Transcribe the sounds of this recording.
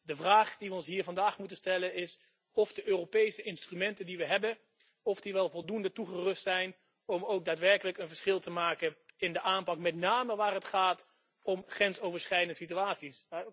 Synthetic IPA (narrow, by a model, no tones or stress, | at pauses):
dəvraːχdiʋəɔnsɦiːɹvɑndaːχmutənstɛlənɪs | ɔfdəʔøːropejsəɪnstrymɛntəndiʋəɦɛbən | ɔfdiʋɛlˠvɔlˠdundətuχərɵstsɛjn | ɔmowk̚daːtʋɛɹkələkənvəɹsχɪlˠtəmaːkənɪndəʔaːmpɑkmɛtnaːməʋaːrɦətχaːt | ɔmχrɛnsowvəɹsχɛjdəndəsityaːtsis